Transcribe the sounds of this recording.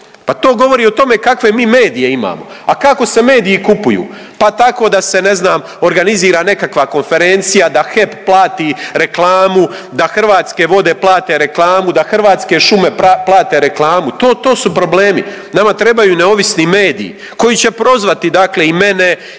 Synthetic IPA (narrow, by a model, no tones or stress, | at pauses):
pat̪o̞ːɡo̞ʋo̞ɾiːot̪o̞me̞kakʋe̞miːme̞ːd̪ije̞ima̰ːmo̰ | akako̞se̞me̞ːd̪iikupujṵː | pat̪ako̞d̪ase̞ne̞znaːm | o̞ɾɡaniziːɾane̞kakʋako̞nfe̞ɾe̞nt̪sijad̪axe̞pplˠaːt̪iːɾe̞klˠaːmu | d̪axr̩ʋaːt̪ske̞ʋo̞d̪e̞ːplˠaːt̪e̞ɾe̞klˠaːmud̪axr̩ʋaːt̪ske̞ʃume̞plˠaːt̪e̞ɾeklˠaːmut̪oːt̪o̞ːsupɾo̞ble̞ːmi | namat̪ɾe̞bajuːneo̞ʋisnime̞ːd̪ḭḭ | ko̞jit͡ɕe̞pɾo̞zʋat̪id̪akle̞ime̞ne̞